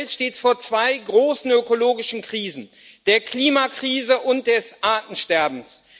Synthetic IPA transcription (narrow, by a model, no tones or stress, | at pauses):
ltʃteːtsfoːɐt͡sv̥aɪɡʁoːsn̩økoloːɡɪʃn̩kʁ̥iːzn̩ | d̥eːɐkliːmakʁ̥iːzəʔʊnt̚d̥ɛsʔaːtn̩ʃtɛɐbm̩s